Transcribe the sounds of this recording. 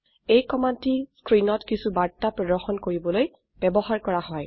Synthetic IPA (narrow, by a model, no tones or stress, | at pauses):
ejkɔmantiskɹinɔtkisubaɹtːapɹɔdɔɹxɔnkoɹibɔloj | b̥ɛbɔɦaɹkɔɹahɔj